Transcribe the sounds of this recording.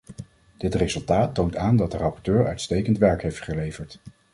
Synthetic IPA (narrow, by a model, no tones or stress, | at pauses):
d̥ɪtrezɵlˠtaːtːowntaːndɑt̚dərɑpɔɹtøːɹœ̰ɥtstejkəntʋɛɹkɦejftχəlejvəɹt